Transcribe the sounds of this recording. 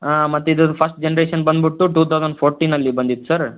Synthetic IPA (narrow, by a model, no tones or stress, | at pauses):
aːmɐt̪ːuid̪unpʰɐsʈ̚d͡ʒenɐɾeːʂɐnbɐnd̪biʈːuʈuːt̪ʰɐwzɐɳɖpʰoːɾʈːinɐlːibɐnd̪it̪ːusɐɾ